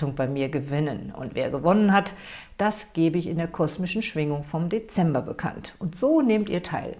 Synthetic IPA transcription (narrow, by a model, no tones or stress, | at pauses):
ʊŋb̥aɪmiːɐɡəvɪnənʊ̰ntv̥ḛːɐɡəvɔnənɦat | d̥asɡ̥eːbəɪçɪndeːɐkʰɔsmɪʃn̩ʃv̥ɪŋʊŋfɔmdet͡sɛmbɐbəkʰa̰ntʔʊntz̥oːneːmtiːɐtʰaɪl